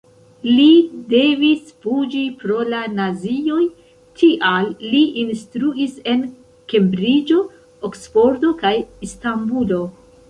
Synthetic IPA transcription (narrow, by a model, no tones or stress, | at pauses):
lide̞visfud͡ʒipɾo̞lanazio̞j | tʰiʔalːiʔinstɾuise̞n | ke̞mbɾid͡ʒo̞ | okspo̞ɾto̞kajistambulo̞